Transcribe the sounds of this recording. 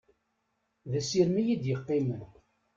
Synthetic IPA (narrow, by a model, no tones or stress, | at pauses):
ðæsiɾmijid̪jəqːɪmən